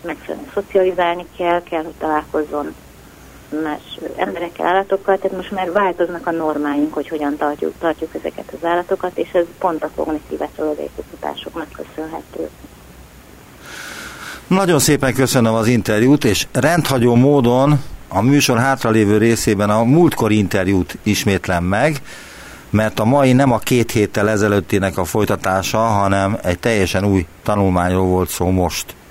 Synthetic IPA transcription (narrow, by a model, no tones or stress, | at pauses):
mɛkfylɛ̰nɛso̞t̪siɒlizaːlnikʰɛlkɛlho̞c̚t̪ɒlaːlko̞zːo̞n | maːʃɛ̰mbɛɾɛkːɛ̰lʔaːlːɒt̪o̞kːɒlt̪aːt̪mo̞ʃt̪maːrvaːlt̪o̞znɒkɒno̞rmaːjiŋkho̞cho̞ɟɒnt̪ɒrcṵt̪ɒrcukɛzɛ̰kɛt̪ɒzaːlːɒt̪o̞kɒt̪eːʃɛzpo̞nt̪ɒko̞̰ɡnit̪ḭːva̰ːt͡ʃolod̪ɒ̰ḭkost̪ot̪a̰ːʃokmɛkːø̞sønɦɛ̰t̪ø̰ː | nɒɟo̞nseːpɛŋkøsønømɒzint̪ɛrjuːt̪eːʃrɛnt̪hɒɟoːmoːd̪o̞nɒmyːʃo̞rɦaːt̪rɒleːvøːɾeːseːbɛnɒmult̪ko̞ɾint̪ɛrjuːt̪iʃmeːt̪lɛmːɛɡ | mɛrt̪ɒmɒjinɛmɒkeːt̪heːt̪ːɛlɛzɛløːt̪ːinɛkɒfo̞jt̪ɒt̪aːʃɒɦɒnɛmɛɟt̪ɛjːɛʃɛnuːjt̪ɒnulmaːɲroːlvo̞lt̪soːmo̞ʃt̪